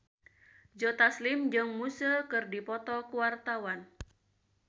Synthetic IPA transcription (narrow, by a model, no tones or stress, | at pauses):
d͡ʒɔt̪aslimd͡ʒɨŋmusəkɨrdipɔt̪ɔkuwart̪awan